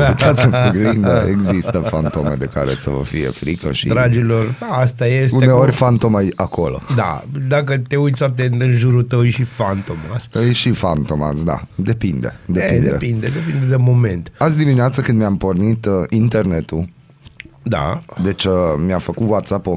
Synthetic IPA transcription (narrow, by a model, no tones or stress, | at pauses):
it̪at̪səɡlind̪əeɡzist̪əfant̪o̞mḛd̪e̞ka̰ɾḛsə̰və̰fije̞̰fɾikə̰ʃḭd̪ɾad͡ʒilorast̪ajestuneorʲfant̪o̞majakʰo̞lo̞̰d̪a̰d̪akət̪eujt̪sʲat̪ent̪ɨnʒuɾut̪əwjʃifant̪omasjʃifant̪o̞ma̰sd̪a̰d̪e̞pind̪e̞̰d̪eepineepind̪ed̪epind̪ed̪emo̞mẽnt̪at̪sd̪imineat̪səkɨnd̪miampo̞rnit̪int̪e̞rne̞t̪u | d̪a̰d̪e̞t͡ʃmiafəkut̪wat̪sapo